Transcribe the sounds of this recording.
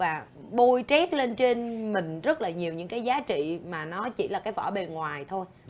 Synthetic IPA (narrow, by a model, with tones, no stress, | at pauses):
vaː˨˩ | ɓo˧jt͡ɕɛ˦˥t̚le˧nt͡ɕe˧nmï˨˩ŋ̟zə˦˥t̚laː˨˩ɲi˨˩əwɲɨ̰˧˥ŋkaː˨˦jzaː˨˦t͡ɕḭ˧˨maː˨˩nɔ˨˦t͡ɕḭ˧˩laː˨˩kaː˨˦jvɔ̰˧˩ɓe˨˩ŋwaː˨˩jt̪ʰo˧j